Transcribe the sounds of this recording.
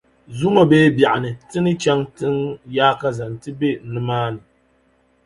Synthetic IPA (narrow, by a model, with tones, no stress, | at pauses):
zu˦ŋa˦beː˦ba˨ʔa˨nɨ˨tɨ˦nɨ˦t͡ʃɛ˦ŋtɨ˦ŋjaː˦ka˦za˨n˨tɨ˦be˦˨nɨ˦maː˦nɨ˨